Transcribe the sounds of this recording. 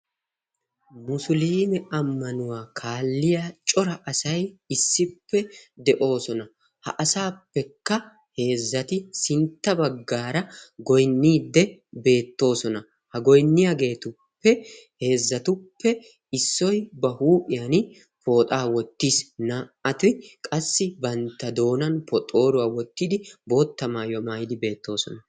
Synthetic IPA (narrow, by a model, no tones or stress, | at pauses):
mʊsʊliːmɛʔɐmːɐnʊwaːkʰaːlːɪjat͡ʃʼɔɾɐʔɐsɐjɪsːɪpːɛd̪ɛʔo̞ːsɔnɐ | hɐ̰ʔɐsaːpːɛkːɐ | he̞ːzːɐt̪ɪsɪnt̪ːɐbɐɡːaːɾɐɡɔjnːiːd̪ːɛbe̞ːt̪ːo̞ːsɔnɐ | hɐɡɔjnːɪjaɡe̞ːt̪ʊ | pːɛ | he̞ːzːɐt̪ʊpːɛ | ɪsːɔjbɐhuːpʼɪjɐn | pʰo̞ːt̪ʼaːwɔt̪ːiːsnaːɐt̪ɪkʼɐsːɪbɐnt̪ːɐd̪o̞ːnɐnpɔt̪ʼːo̞ːɾʊwaːwɔt̪ːɪd̪ɪbo̞ːt̪ːɐmaːjɔmajd̪ɪbe̞ːt̪ːo̞ːsɔnɐ